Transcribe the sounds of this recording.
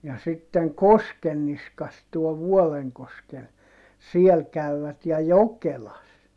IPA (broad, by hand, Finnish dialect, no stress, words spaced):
jɑ sitːeŋ koskenːiskɑs tuɔ ʋuɔleŋkoskel siel kæyʋæt jɑ jokelɑs